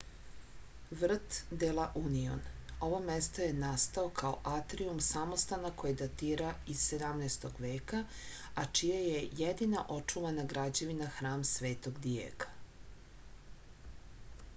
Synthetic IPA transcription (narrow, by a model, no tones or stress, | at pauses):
ʋr̩t̪d̪elˠaʔunio̰no̞ʋo̞mest̪o̞je̞nast̪ao̞kʰaoʔat̪ɾiumsamost̪anakojid̪at̪iːɾaisse̞d̪amnest̪o̞ɡʋe̞ːka | at͡ʃijajejed̪ina̰ʔo̞t͡ʂuʋanaɡɾad͡ʑeʋinaxɾaːmsʋeːt̪o̞ɡd̪ijḛkḁ